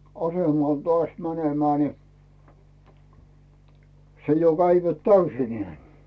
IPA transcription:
ɑsemɑˑl toɑˑs mænemæː ni se jo kæiʋæt tæysinĕæˑ

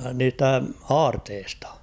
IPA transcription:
niːstæ ɑːrteːstɑ̥

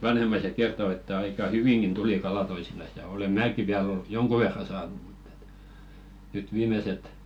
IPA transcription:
ʋɑnhemːɑiset kerto etːæ ɑikɑ hyʋiŋɡ̊in tuli kɑlɑ toisinɑs jɑ ole mæːki ʋiæl ol joŋku ʋerːɑ sɑːnu m̥u̥tː e̥t nyt ʋiːmeset

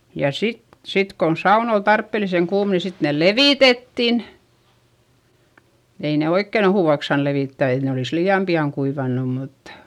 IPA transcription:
jɑ sit sit kon sɑun ol tɑrpːeliseŋ kuːm ni sit neˑl leʋiˑtetːin ei ne oikːen ohuˑʋɑks sɑːn leʋiˑtːæ et ne oliˑs liːɑm piɑŋ kuiʋɑnːum mut

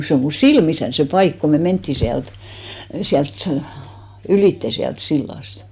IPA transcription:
se o mu silmisæn se pɑik ko me mentːiˑ siælt siælt sɑ̆ yliˑtːe siælt silːɑˑst

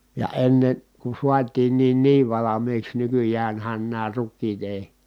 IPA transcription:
jɑ enːen̞ ku suɑtiːnːiːn niːʋ ʋɑlɑmiːks nykyjæːnhæn næː rukːiːt eˑi

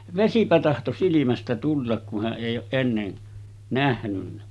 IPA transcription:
ʋesipæ tɑhto silimæstæ tulːɑk ku hæʔ ʔeˑijˑ oːʔ ʔenːen næhnynːæ

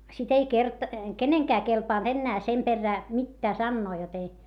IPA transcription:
sit ei kert keneŋkæː kelpɑˑnt enːæː sem perːæː mitːæː sɑnːoː jot ei

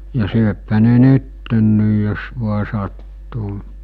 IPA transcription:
jɑ syøphæ ne nytːenːiːj jos ʋuɑ sɑtːuː

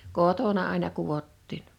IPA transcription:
kotonɑ ɑˑinɑ kuʋotːiːn

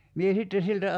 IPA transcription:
mie sitːe siltæ

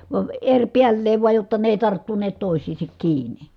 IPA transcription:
ʋɑə erʲpiælːeːʋ ʋuɑj jotːɑ ne eˑi̯ tɑrtːuneːt toˑi̯sˑiːsek kiːni

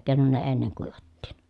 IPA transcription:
keˑi̯non ne enːeŋ kuiʋɑtːiːn

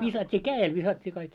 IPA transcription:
ʋisɑtʲːiː kæːel ʋisɑtʲːiː kɑik

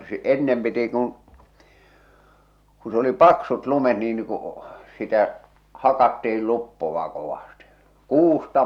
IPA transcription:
sĕ enːem piti kun̞ ku s oli pɑksut lumet niː nĭ ku sitæ hɑkɑtːiil lupːoʋɑ koʋɑsti kuːstɑ

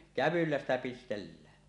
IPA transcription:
kæʋylːæ stæ pistelːæː

